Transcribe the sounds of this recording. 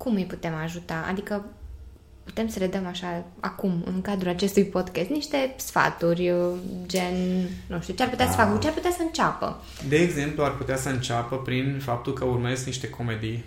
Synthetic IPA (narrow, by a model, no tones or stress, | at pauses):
kumɨjput̪e̞maʒut̪aa̰d̪ikə | put̪e̞msəɾe̞d̪əmaʃaa̰kumɨ̰ŋkad̪ɾulat͡ʃe̞st̪ujpod̪kest̪niʃt̪e̞sfa̰t̪urʲd͡ʒennuʃt̪iut͡ʃearput̪easə̥fakəkut͡ʃearput̪easəɨnt͡ʃapə̰ | d̪e̞ːɡze̞mpluarput̪easəɨnt͡ʃapəpɾinfap̚t̪ulkəurməɾezniʃt̪e̞kʰo̞med̪ij